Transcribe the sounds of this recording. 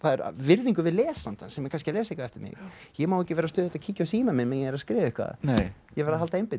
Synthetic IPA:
θaðɛɾ̰vɪɾðiŋkʏvɪðlɛːsant̪ansɛmjɛkʰanscɪlɛːs̬ejkaɛft̪ɪɾmɪ̰ɣjɛmawɛcɪvɛːɾasœːðhɛt̪acʰiːcawsiːmamɪnmɛnjɛvɛɾaskɾɪːvɪɪhkʰva̰nejɛvɛɾðaɦalt̪aejmpɪ

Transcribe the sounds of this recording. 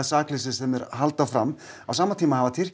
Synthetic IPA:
saːklɪs̬ɪsɛmɛɾɦalt̪afɾam | awsaːmat̪ʰiːmahavat̪ʰɪr̥c

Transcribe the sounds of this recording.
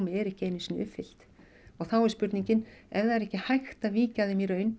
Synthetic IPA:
mɪɛɾɛhcɪeːjnɪsinʏpfɪl̥t̪ | ɔɣθawɛɾspʏɾt̪niɲcɪnɛvðaɾɛhcɪhajxt̪aviːcaðɪmiɾœːɥn

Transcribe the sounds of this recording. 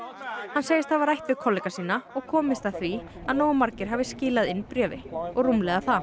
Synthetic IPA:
hanːseːjɪst̪θavaɾajht̪vʏkʰɔlːɛkasiːnaɔɣkʰɔːmɪst̪aθvi | aðnoːwmaɾcɪɾ̥ɦaːvɪscɪːlaðɪnpɾœːvɪ̰ɔɣrumlɛɣaθa

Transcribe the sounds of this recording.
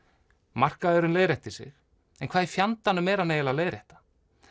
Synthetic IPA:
mar̥kaðɛɾʏnleːjɾɛht̪ɪsɪ̰x | ɛnkʰvaːðɪfjant̪anːʏmɛːɾaneːjɪlaleːjɾɛht̪ḁ

